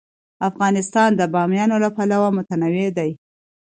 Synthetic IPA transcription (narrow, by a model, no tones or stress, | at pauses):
afɣɑnɪst̪ɑnd̪əbɑmjɑnolapalawamʊt̪anawed̪aj